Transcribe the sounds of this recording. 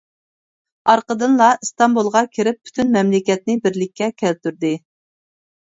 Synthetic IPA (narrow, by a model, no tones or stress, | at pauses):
ɑɾqəd̪ɨnlˠɑst̪ɑmbulˠʁɑkʲʰeɾɪp̚ʰːy̥t̪ʰynmɛmlɪkʲɛt̪̚nɪbɪɾlɪkʲːɛkʲʰælt̪yɾd̪ɪ